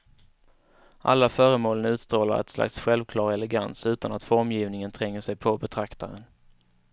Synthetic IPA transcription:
ʔa̰lːafœːɾəmoːlənʉ̟t̪st̪ɾoːla̰ɾɛ̰t̪sla̰ksɧɛlvkʰlɑːɾɛlɛɡa̰nsʉ̟ːt̪anat̪fɔɾmjiːvnɪŋənt̪ʰɾɛŋːəʂɛjpʰɔbɛt̪ʰɾakt̪aɾən

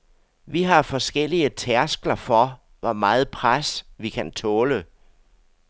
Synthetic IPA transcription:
ʋiɦɑ̈fɒ̽sɡ̥el̰iət͡sʰæɐsɡ̥lɐfɒ | ʋɒmɑ̈ːð̞̩ˠpʰʁasʋikʰænt͡sʰɔ̽ːlə

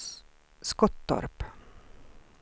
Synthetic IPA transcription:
skɔt̪̚d̪ɔ̰ɾp

